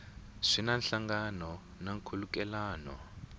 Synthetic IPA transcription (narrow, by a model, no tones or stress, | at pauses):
ʂinanɬaŋɡanɔ | naŋkʰulukɛlaːnɔ̰